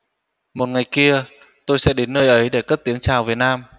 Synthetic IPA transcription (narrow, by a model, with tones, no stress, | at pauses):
mo˨˩t̚ŋa˨˩jki˧ə | t̪o˧jsɛ̰˧˥ɗe˨˦nːəː˧jʔə˨˦jɗe˧˩kə˦˥p̚t̪i˨˦əŋt͡ɕaː˨˩wvi˨˩ət̚naː˧m